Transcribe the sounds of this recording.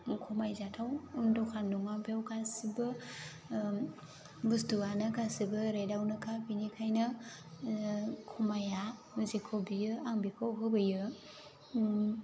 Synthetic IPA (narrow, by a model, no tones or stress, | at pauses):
kʰɔmajzatʰawndɔkʰanːuŋapjawkʰasibɯ | bustuanɯkʰasibɯɾajdawnɯkʰapʰinikʰajnɯ | kʰɔmaja | zikʰobijɯaŋbikʰawɦɯbɯjɯ